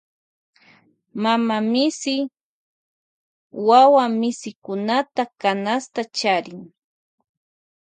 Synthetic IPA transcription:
mamamɪsɪ | wawamɪsɪkʊnat̪akanast̪at͡ʃaɾɪŋ

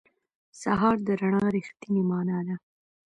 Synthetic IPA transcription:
saɦɑɾd̪əɾaɳɑɾixt̪inemɑːnɑd̪a

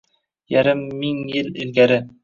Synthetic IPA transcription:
jæɾɘmːiŋjɘlɘ̆lɡæɾɘ

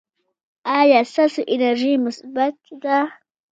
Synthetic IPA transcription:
ajasasuʔɪnaɾʒimʊsbat̪̚d̪a

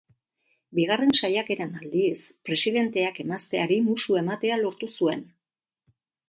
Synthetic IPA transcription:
biɣ̞are̞nsajake̞ɾanald̪ispɾe̞siðe̞nt̪e̞ake̞mast̪e̞aɾimusue̞mat̪e̞alo̞ɾt̪usue̞n

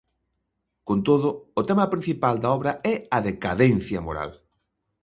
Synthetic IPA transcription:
kont̪oðʊot̪ɛmɐpɾin̟θipald̪aɔβɾɐɛɐðekaðɛnθjɐmoɾa̰l

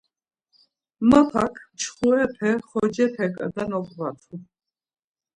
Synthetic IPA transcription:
mapʰa̰kʰt͡ʃʰχuɛpʰɛχɔd͡ʒɛpʰɛkʼa̰d̪anɔkʼvat̪ʰu

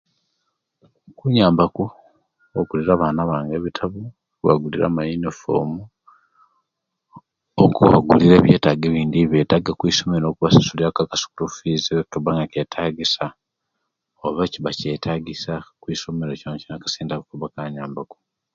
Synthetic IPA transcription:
kuɲaːmbaku | oɡuliɾaβaːnaβaːŋɡe̞ːβitʰaβu | kuβa̰ɡuliɾa̰majinifo̰mu | o̰kuβa̰ɡuliɾe̞ːβje̞ːtaɡeβiːndiβje̞ːtaɡakwiːso̞meɾokuβasḁsuliakakasu̥kuɾufizikaβaŋɡakeːtʰaɡisa | oβaciβaceːtʰaɡisakwiːso̞me̞ɾocanocinakḁsiːndakukuβakaɲaːmbaku̥

